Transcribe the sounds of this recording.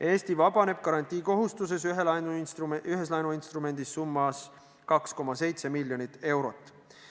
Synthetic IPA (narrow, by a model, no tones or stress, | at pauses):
ʔe̞ːst̪ivɑbɑne̞b̥̚kɑɾɑnʲt̪ʲˑiːko̞ɦust̪use̞syɦelɑjnuyɦe̞slɑjnuinst̪rume̞nʲd̪̥isːumːɑs | kɑksko̞mɑse̞jt̪se̞milʲjonit̪ːˑe̞wɾo̞t̪ːˑ